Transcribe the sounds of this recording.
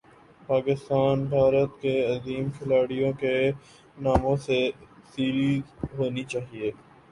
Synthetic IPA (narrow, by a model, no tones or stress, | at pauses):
paːkɪst̪aːnbʱaːɾət̪keɐziːmkʰɪlaːɽijõke | naːmõsesiːɾiːzɦoːnit͡ʃaːɦieː